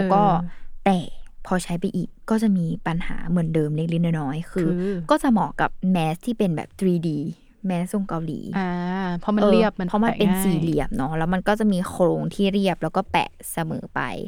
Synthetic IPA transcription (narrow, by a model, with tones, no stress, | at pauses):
lɛː˦˥wkɔː˥˩t̪ɛː˨˩pʰɔː˧t͡ɕʰa˦˥jpa˧jʔiː˨˩kːɔː˥˩t͡ɕa˨˩ʔmiː˧pa˧nha̰ː˩˦mɯ˩˦əndɤː˧mli˥˩li˦˥˩naː˧˥˩nɔː˦˥jkʰɯː˧kɔː˥˩t͡ɕa˨˩mɔː˨˩˦kːa̰˨˩p̚mɛː˦˥st̪ʰiː˥˩pe˧nbɛ̰ː˨˩p̚t̪ɾiː˧diː˧ | mɛː˦˥sso˧˥˩ŋka˧wlḭː˩˦a˧pʰɔ˦˧ʔɤːɾi˧˥˩ə˧pʰɔ˦˥ma˧pe˧nsiː˨˩li˨˩əm̚nɔ˦˥lɛː˦˥wma˧nkɔː˥˩t͡ɕa˨˩miː˧xʰɾoː˧ŋt̪ʰiː˥˩ɾi˥˩əp̚lɛ˦˥wkɔː˥˩pɛ̰ː˨˩ | sa˧mɤ̰ː˩˦pa̰˧j